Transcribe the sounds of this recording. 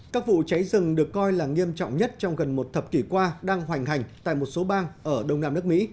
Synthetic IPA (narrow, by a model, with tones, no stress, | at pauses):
kaː˦˥k̚vṵ˧˨t͡ɕa˨˦jzɨ˨˩ŋɗɨ˨˩ə˩kːɔ˧jlaː˨˩ŋi˧əmt͡ɕɔ̰˧˨wŋ͡mɲə˦˥t̚t͡ɕɔ˧wŋ͡mɣə˨˩nmo˨˩t̚t̪ʰə˨˩p̚ki˧˩kwaː˧ɗaː˧ŋɦwa˨˩jŋ̟ɦa˨˩jŋ̟t̪a̰ː˧˨jmo˨˩t̚so˨˦ɓaː˧ŋʔəː˧˩ɗə˧wŋ͡mnaː˧mnɨ˦˥ək̚mḭ˧˥